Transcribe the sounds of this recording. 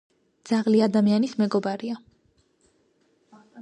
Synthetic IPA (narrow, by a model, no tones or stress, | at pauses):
d̪z̥aʁliad̪amianismɛɡɔbaɾia